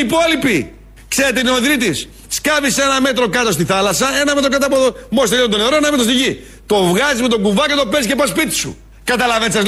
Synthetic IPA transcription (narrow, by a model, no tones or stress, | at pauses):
ipo̞lipi | kseɾet̪einoðɾit̪is | skɐvisenɐme̞t̪ɾo̞kɐt̪ost̪iθɐlɐsɐe̞nɐme̞t̪ɾokɐt̪̬ɐpomost̪eiont̪o̞neɾoenɐimet̪ost̪iʝi | t̪o̞vɣɐzizmet̪o̞ŋɡuvɐkɐt̪o̞pezice̞pɐspit̪i̥sṵ | kɐt̪ɐlɐvensɐz